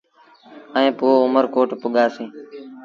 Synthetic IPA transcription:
əẽːpuːoʊməɾkoːʈpʊɠaːsĩː

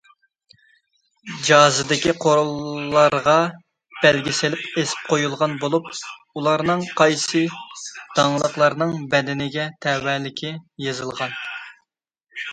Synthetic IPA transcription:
d͡ʒɑːzɨd̪ɪkʲiqʰoɾlˠːɑɾʁɑ | b̥ɛlɡʲisɪlɪpesɪ̥p̚qʰojulˠʁɑnbolˠup | ulˠɑɾnɨŋqʰɑjsɨd̪̥ɑŋlˠəqlˠɑɾnɨŋbɛd̪ɪnɪɡʲɛt̪ʰɛwɛlɪkʲʰɪjezɨlˠʁɑn

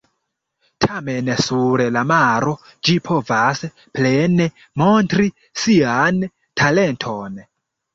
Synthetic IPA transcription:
tʰame̞nsuɾlamaɾo̞ | d͡ʒipʰo̞vas | plene | montɾi | sian | tʰale̞ntʰo̞n

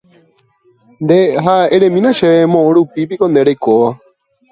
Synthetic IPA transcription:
nd̪eɦaeɾẽmĩnãʃeemõʔõɾupip̬ikõnd̪eɾejkoʋa

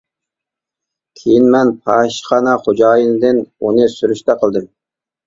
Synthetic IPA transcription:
kʲʰejinmɛnpʰɑʃχɑnɑχod͡ʒɑːjɨnɨd̪ɨnonɨsyɾyʃt̪ɛqʰəlˠd̪ɨm

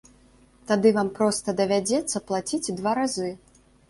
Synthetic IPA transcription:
t̪ad̪ɨvampɾɔst̪ɐd̪ɐvʲad͡zʲɛt̪sːɐplˠat͡sʲit͡sʲd̪vaɾazɨ

